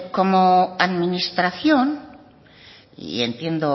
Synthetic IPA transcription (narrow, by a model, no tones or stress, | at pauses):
ko̞moaðminist̪ɾaθjon | ḭent̪je̞nd̪o